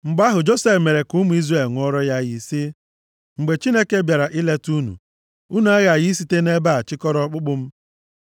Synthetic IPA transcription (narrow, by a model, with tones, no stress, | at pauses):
ŋ͡m̩˨ɡ͡ba˦ɦʊ˨d͡ʒo˦se˦fme˨ɾe˨kʊ˦mu˦i˦zɾe˨lŋʷɔ˦ɾɔ˦ja˦ɣɪ˨sɪ˦ | ŋ͡m̩˨ɡ͡be˨t͡ʃi˦ne˦ke˦bja˨ɾa˨ʔɪ˦le˦tu˦nṵ˨ | u˦nu˨a˦ɣa˨jɪ˦s̬i˦te˦ne˦ba˦˨a˨t͡ʃɪ˦kɔ˦ɾɔ˦k͡pʊ˦k͡pʊ˦m̩˦